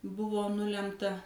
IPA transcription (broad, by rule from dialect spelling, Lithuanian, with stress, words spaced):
ˈbʊʋoː ˈnʊlʲɛmtɐ